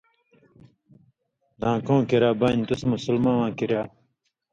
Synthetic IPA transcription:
d̪ãːkõːkiɾaːbaːnt̪usmusulmãːwãːkiɾjaː

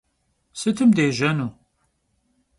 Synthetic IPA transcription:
sɨt̪ʰɨmd̪eːʒɐnu

